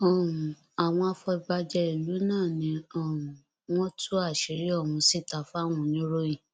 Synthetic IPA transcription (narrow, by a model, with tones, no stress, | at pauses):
ɔ˨ũ˨ | a˨w̃ɔ̃˧a˧fɔ˧i˨ba˧d͡ʒɛ˧i˦˨lu˨˦nãː˦˨nĩ˧ɔ˦˨ũ˨ | w̃ɔ̃˦tʰu˦a˦˨ʃi˨˦ɾi˦ɔ˦˨wũ˧si˦˨ta˨fa˦w̃ũ˧˦nĩ˦ɾo˦ĩ˦˨